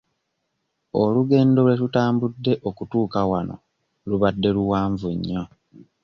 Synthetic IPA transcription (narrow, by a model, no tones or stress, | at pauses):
oluɡe̞ːndo̞lwe̞ɾutaːmbudːe̞ʔo̞kutuːkawano̞̰ | luβadːe̞luwaːɱvuɲːo̞